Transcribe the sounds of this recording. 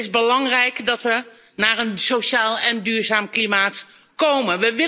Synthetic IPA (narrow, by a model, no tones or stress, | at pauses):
ɪzbəlɑŋrɛjkdɔtʋə | naːrənsoʃaːlɛndyːɹzaːmklimaːt | kowmənʋəʋɪ